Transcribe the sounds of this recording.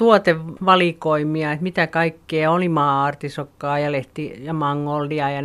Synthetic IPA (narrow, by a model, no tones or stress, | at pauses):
t̪uot̪eʋʋɑlikoimˑiɑet̪mit̪ækɑikːeːolimɑːɑrt̪isokːɑːjɑleht̪ijɑmɑŋːolːiɑjɑn